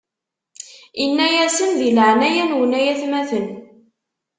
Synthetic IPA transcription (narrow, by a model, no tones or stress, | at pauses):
inːæjæsənðiləʕnæjænwənæjæθmæθən